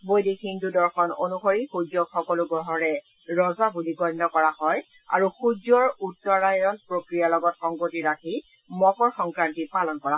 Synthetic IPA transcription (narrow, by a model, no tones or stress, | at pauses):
bojdikhindudɔɹxɔno̰nuxoɹixud͡ʒɔkxɔkɔluɡɔɦɔɹɛ | ɹɔzabuliɡɔjnɔkɔɹahɔj | a̰ɹuxud͡ʒɔɹutːɔɹajɔnpɹokɹijalɔɡɔtxɔŋɡotiɹakʰi | mɔkɔɹxɔŋkɹantipalɔnkɔa